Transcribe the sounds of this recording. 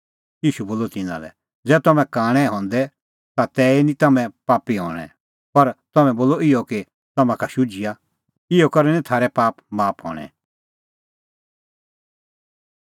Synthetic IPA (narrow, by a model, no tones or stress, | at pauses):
jiːʃuboːlot̪ɪnã̰lɛ̰ | d͡zɛːt̪ɐmɛ̃kaːɽ̃ɛ̃ɦɔ̃ːnd̪ɛ | t̪at̪ɛːinĩt̪ɐmɛ̃paːpiɦɔ̰ːɽ̃ɛ̰̃ | pɐɾt̪ɐmɛ̃boːlɔɪjɔke | t̪ɐmãkaʃʊd͡ʒɪja | ɪjɔkɐɾɛnĩt̪ʰaːɾɛpaːpmaːpɦɔ̰ːɽ̃ɛ̰̃